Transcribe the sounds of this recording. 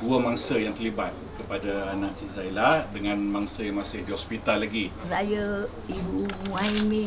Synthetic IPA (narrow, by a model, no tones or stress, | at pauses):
duəmaŋsəjaŋt̪əɾlibat̪̚kəpadaanãʔt͡ʃiʔzailadəŋãnmaŋsəjaŋmãsɪhdiɦɔspit̪alːaɡisajə | ibuubuaimĩ